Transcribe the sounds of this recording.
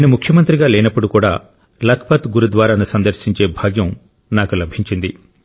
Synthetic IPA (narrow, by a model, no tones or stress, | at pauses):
nimukʰjɐmɐnt̪ɾiɡaːlɛːnɐpːuɽukuːɽaː | lɐkʰpɐt̪ɡuɾud̪ʋaːɾaːnusɐnd̪ɐɾʃiɲt͡ʃe̞ːbʱaːɡjɐm | naːkulɐbʱiɲt͡ʃind̪i